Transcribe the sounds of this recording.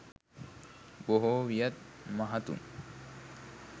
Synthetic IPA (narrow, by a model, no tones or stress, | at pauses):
boɦowijat̪̚maɦat̪ṵŋ